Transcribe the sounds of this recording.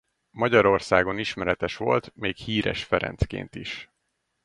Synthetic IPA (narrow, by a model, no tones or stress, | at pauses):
mɒɟɒɾo̞rsaːɡo̞niʃmɛɾɛt̪ɛʃʋo̞̰lt̪meːkhiːɾɛ̰ʃfɛɾɛ̰nt̪skḛːnt̪iʃ